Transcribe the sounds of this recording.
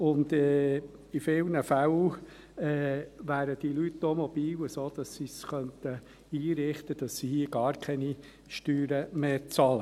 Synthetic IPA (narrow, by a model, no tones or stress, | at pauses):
ʊnd̪ɛː | ifɪlnəfæl | ɛːʋæːɾəd̥ilytnomɔb̥iːwəsoːd̥̪ɑsːisχœnt̪ə | iːɾɪχt̪əd̥ɑsːihiːəɡ̥ɑːɾkʰɛni | ʃtyːɾəmeːt͡sɑlə